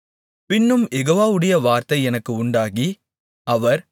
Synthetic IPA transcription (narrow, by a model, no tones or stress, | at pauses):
pɪnːɯmjɛɣoːʋaːʋɯɽɐjɐʋaːɾt̪ɐɪɛnɐkːɯʊɳɖaːɣi | ɐʋɐɾ